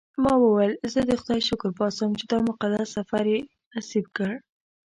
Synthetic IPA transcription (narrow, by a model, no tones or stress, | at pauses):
mɑwəwajlzəd̪əxʊd̪ɑjʃʊkɾpɑsəmt͡ʃed̪ɑmʊqad̪assafaɾje | nasib̚kəɽ